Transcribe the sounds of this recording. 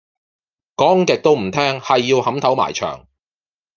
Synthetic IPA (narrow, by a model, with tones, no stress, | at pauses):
kɔː˨˥ŋkɪ˨k̚t̪o˥wm̩˨˩t̪ʰɛː˥ŋhɐ˨jːiː˧whɐ˨˥mt̪ʰɐ˨˥wma̰ː˨˩jt͡ʃʰœ̰ː˨˩ŋ